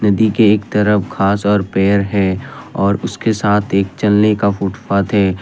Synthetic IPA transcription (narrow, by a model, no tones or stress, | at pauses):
nɐd̪ikeeːkt̪ɐɾəfkʰaːsɔːɾpɛːɾɦɛɔːɾʊskesaːt̪ʰeːk̚t͡ʃɐlnekafʊʈfaːt̪ɦɛː